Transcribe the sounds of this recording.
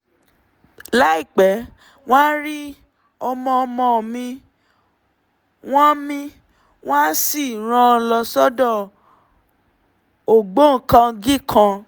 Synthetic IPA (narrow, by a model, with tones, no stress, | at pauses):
la˦i˦˨k͡pɛ˨˦ | w̃ã˦ɾi˦ | ɔ˧mɔ̃˧ɔ˧mɔ̃˧˨mĩ˧ | w̃ɔ̃˦mĩ˧ | w̃ã˦si˦˨ɾ̃ã˧˦ɔ˧lɔ˧sɔ˦dɔ˦˨ | o˨ɡ͡bo˦ŋ̩˨˦kã˧ɡi˦˨kʰã˧